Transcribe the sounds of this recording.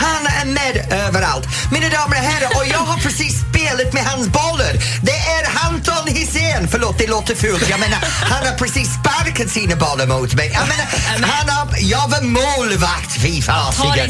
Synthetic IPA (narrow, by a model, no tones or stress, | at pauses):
hanəənmɛdɜːvəɾa̰lt | mɪnədaːməɹəɦɛɾəʔɔjɔvəpʰɹ̥əsispɪːələtmɪɦanzbɔləd | ðeʔɛɹhantʰənhɪseːnfəlɔːt̪̚ðeɪlɔːt̪ʰəfʉːlˠtʰiamɛnəhanəpʰɹ̥əsispadkʰədsiːnəbɔlˠəmoːtmeənmɛnəhanəjɔvəmoːləvaktʰfiːfaːsɪə